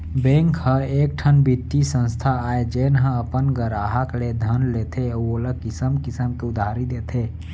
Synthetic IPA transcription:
bẽŋkhəeːk̚ʈʰənbit̪ːisə̃nst̪ʰaaːed͡ʒenɦə̃əpənɡəɾaːɦakled̪ʱənlet̪ʰeoləkɪsəmkɪsəmkeʊd̪ʱaɾid̪et̪ʰe

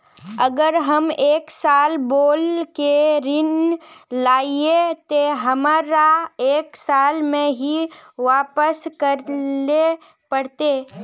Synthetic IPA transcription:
əɡəɾɦɐmeːksaːlboːlkeɾɪnlaːiet̪oɦɐmaːɾaeːksaːlmẽɦiʋaːpəskəɾe | pəɽt̪e

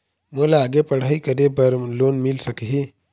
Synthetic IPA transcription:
mulaːɡepəɽ̤aikəɾebəɾlonmilsəkɦi

